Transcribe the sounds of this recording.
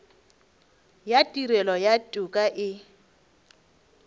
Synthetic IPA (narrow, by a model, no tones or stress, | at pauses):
jatʼiɾɛlɔjatʼukʼaʔɪ